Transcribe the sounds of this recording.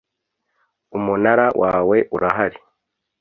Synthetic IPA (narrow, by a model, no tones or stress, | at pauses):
umunaɾawʔaːweʔuɾʔaɦaɾi